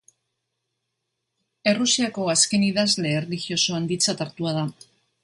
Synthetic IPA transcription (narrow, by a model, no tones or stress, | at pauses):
e̞rusiako̞aske̞niðazle̞ːrlixio̞so̞and̪it͡sat̪aɾt̪uað̞a